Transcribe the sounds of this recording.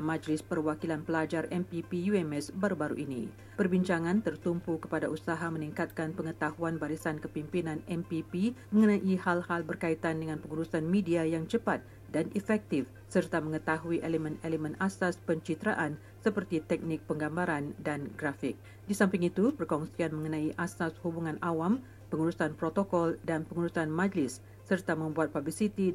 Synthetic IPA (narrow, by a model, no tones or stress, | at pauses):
mãd͡ʒlɪspərwakilanpəlad͡ʒarɛmpipijuɛmɛsbaɾubaɾṵʔinḭ̃ | pərbiɲt͡ʃaŋãnt̪ərt̪umpukə̥padaʔusaɦamə̃niŋkat̪̚kanpəŋət̪ahuanbaɾisankəpimpinãnʔɛmpipimə̃ŋənãʔihalhalbərkait̪andəŋãnpəŋuɾusanmẽdiajaŋt͡ʃəpat̪̚ | danʔifɛk̚t̪ɪf | sərt̪amə̃ŋət̪aɦuiʔeləmɛ̃neləmɛ̃nasaspəɲt͡ʃit̪ɾaʔan | səpərt̪it̪ɛk̚nɪk̚pəŋɡambaɾandanɡɾafɪk̚ | disampɪŋit̪upərkɔŋsianmə̃ŋənãiʔasashubuŋãnawam | pəŋuɾusanpɾot̪okɔldanpəŋuɾusanmãd͡ʒlɪsː | ərt̪amə̃mbuat̪̚pablisit̪i